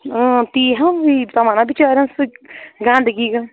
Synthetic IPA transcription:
t̪iːɦɐ̃it̪ɐmaːnabit͡ʃaːɾʲjɐ̃nsɨɡãːnd̪ɡiɡa

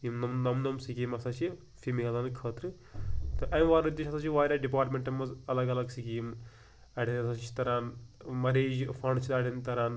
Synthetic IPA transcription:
imnɐmnɐmnɐmsikiːmɐsaːt͡ʃʰi | fimiɐlaːnkʰɐːt̪ɾɨ | t̪ɨʔɐjmʋaːɾud̪ːeːʃɐsaːt͡ʃʰiʋaːɾʲaːɖipaːɾʈmeɳʈɐmːɐzɐlɐɡɐlɐɡsikiːm | ɐɽinɐsaːt͡ʃʰi̥t̪ɐɾaːnmɐɾeːd͡ʒfʰɐɳɖt͡ʃʰilɐːɽint̪ɐɾaːn

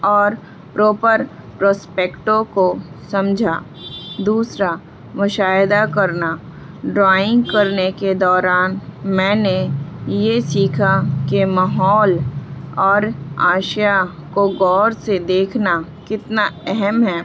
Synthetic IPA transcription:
ɔːɾ | pɾɔːpəɾpɾɔːspeːkʈõkosɐ̃md͡ʒʱa | d̪uːsɾa | mʊʃaːjɪd̪akɐɾna | ɖɾaːɪ̃ŋɡkɐɾneked̪ɔːɾaːnmɛ̃ːnejesiːkʰakemaɦɔːlɔːɾaːʃja | koɡɔːɾsed̪eːkʰna | kɪt̪naɛɦɛmɦɛː

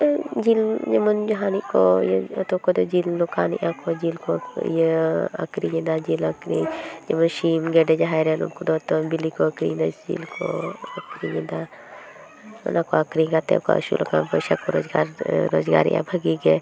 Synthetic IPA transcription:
d͡ʒild͡ʒɐmɐnd͡ʒɐɦaːnikojt̪okod̪od͡ʒiːlːokaːnḭʔaːkʰod͡ʒilkojəɐ̰kɾijĩnd̪ad͡ʒiːlɐkɾḭd͡ʒemɐnʃiːmɡeɖed͡ʒaɦajɾenṵkod̪ot̪obilikoɐkɾḭnd̪ad͡ʒḭlkʰoɐkɾijind̪a | nʔakoɐkɾiɡat̪ḛko̰ɐ̰ʃṵlʔo̰ka̰ːnpoʃakoɾo̰ːzɡaːɾɾoːzɡa̰ːɾḭʔa̰bʱɐɡiɡe

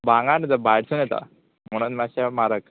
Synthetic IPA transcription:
bãŋɡanəd͡z̪əbajɽsunjɛt̪a̰ | m̤əɽ̃unmaɕamaɾək

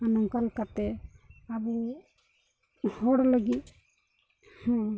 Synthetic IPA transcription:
anɔmkalkat̪ɛabɛ | hɔɽləɡi | h

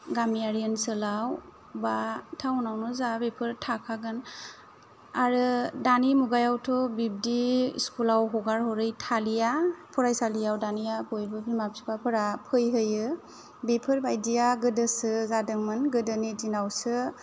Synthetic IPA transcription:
ɡamijaɾijənsɯlaw | batʰaunawnɔzabepʰɯɾtʰakʰaɡɯn | aɾɯdanimuɡajawtʰɔbib̚diskulawɦɔɡaɾhɔɾɯjtʰalijapʰɔɾajsalijawdanijabɔjbɯbimap̚si̥kapʰɯɾapʰɯjɦɯjɯ | bepʰɯɾbajdijaɡɯdɯsɯzadɯŋmɯnɡɯdɯnidinawsɯ

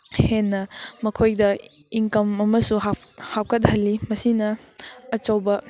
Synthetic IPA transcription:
henːɐmɐkʰojdɐ | iŋkɐmɐmɐsuɦhaw̚kɐt̬̚hɐlːimɐsinɐː | t͡ʃɐwbɐ

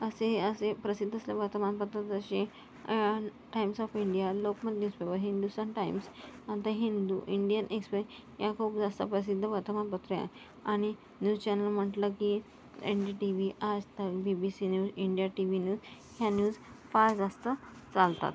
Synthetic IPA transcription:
əseəsepɾəsid̪ʱːəslaʋəɾt̪əmanpəɾt̪at̪əɕẽ | ʈajmsɔfiɳɖijalokmə̃t̪njuːspebəɾɦind̪usənʈajmsat̪aɦind̪uʔiɳɖijənʔekspejakʰopd͡zast̪apɾəs̬id̪ʱːəʋəɾt̪əmanpət̪ɾəja̰ | aɽ̃i | njuːzt͡ɕɛnəlm̤əʈləki | ḛnɖiʈiʋiad͡zt̪əbibisinjuːziɳɖijaʈiʋinjuːz | hjanjuːd͡zfaɾd͡zast̪ət͡salt̪a̰t̪

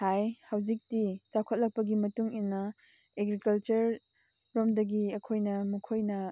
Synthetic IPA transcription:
hajhawd͡ʒik̚tit͡ʃakʰot̚lɐk̚pɐɡimɐtuŋinːɐ | eɡɾikɐlt͡ʃɐɾː | omdɐɡiɐkʰojnɐmukʰojnɐ

